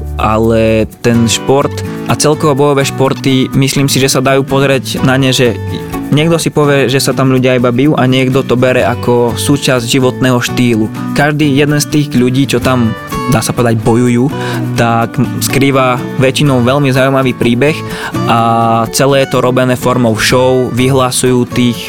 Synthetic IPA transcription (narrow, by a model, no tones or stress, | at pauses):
ʔa̰lɛt̪ɛnʃpɔɾt̪ | ʔat͡sɛlkɔʋɔbɔjɔʋɛʃpɔɾt̪imisliːmsiʒɛsad̪ajuːpɔzɾɪɛɟnaɲɛʒɛ | ɲɪɛɡ̚d̪ɔsipɔʋɪɛʒɛsat̪amʎuɟɪaibabijuːʔaɲɪɛɡd̪ɔt̪ɔbɛɾɛʔakɔsuːt͡ʃazɟʒiʋɔt̪nɛːɦɔʃt̪iːlukaʒd̪iːjɛd̪ɛnst̪iːɣʎuɟiːt͡ʃɔt̪amd̪aːsapɔʋɛd̪aɟbɔjujuːt̪akskɾiːʋaʋɛt͡ʃinɔʊʋɛʎmizaumaʋiːpɾiːbɛxʔat͡sɛlɛːjɛt̪ɔɾɔbɛnɛːfɔɾmɔʊʃɔʊʋiɦlasujuːt͡s̪iːx